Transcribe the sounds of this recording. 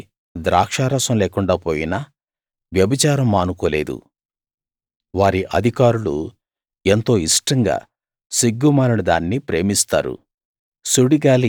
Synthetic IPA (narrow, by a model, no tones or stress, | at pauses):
d̪ɾaːkʂaːɾɐsɐmleːkuɳɖaːpoːjinɐ | ʋjɐbit͡ʃaːɾɐmːaːnukoːle̞ːd̪ṵ | ʋaːɾiʔɐd̪ʱikaːɾulṵ | ent̪o̞ːiʂʈɐŋɡa̰ː | siɡːumaːɾɐnud̪a̰ːnːipɾe̞ːmist̪a̰ːɾṵ | suɽiɡaːli